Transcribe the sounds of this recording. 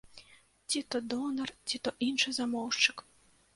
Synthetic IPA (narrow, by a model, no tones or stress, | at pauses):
tʲit̪ɔd̪ɔnɐrtʲit̪ɔʔinʃɨzamɔwʂt͡ʃɪk